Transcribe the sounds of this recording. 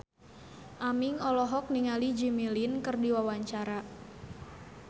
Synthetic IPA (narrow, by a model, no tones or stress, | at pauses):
ʔamiŋɔlɔɦɔk̚niŋalid͡ʒimilinkɨrdiwawaɲt͡ʃaɾa